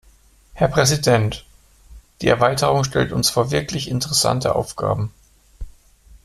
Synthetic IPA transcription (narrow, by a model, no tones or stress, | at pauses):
hɛɐpʁ̥ɛzidɛnt | d̥iːɛ̰ɐvaɪtəʁ̞ʊŋʃtɛ̰ltʊnsfoːɐvɪɐkʰlɪçɪntəʁɛsa̰ntʰəʔa̰ʊfɡ̥a̰ːbm̩